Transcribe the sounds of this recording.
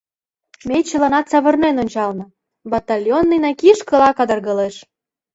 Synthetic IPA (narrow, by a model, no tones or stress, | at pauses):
met͡ɕə̆lɑnɑt̪t͡sɑβɤ̆rnenonʲt͡ɕɑlnɤ̆ | bɑt̪ɑlʲjonːijnɑkiʃkɤ̆lɑkɑd̪ɤ̆rɣɤleʃ